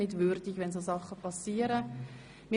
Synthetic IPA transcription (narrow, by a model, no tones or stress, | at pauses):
nɪtvʏɾdɪçʋɛnzoːzɑχəpʰɑsiːəɾə | mɪ